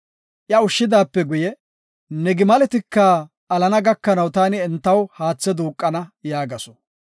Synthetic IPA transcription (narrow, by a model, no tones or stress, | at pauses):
ʔjɐʊʃːɪd̪aːpːɛɡʊjɛ | nɛɡɪmɐlɛt̪ɪkːɐ | ɐlɐnɐɡɐkːɐnɐwt̪aːnɪɛnt̪ːɐwhaːt͡sːɛd̪uːkʼːɐnɐjaːɡɐsɔ̥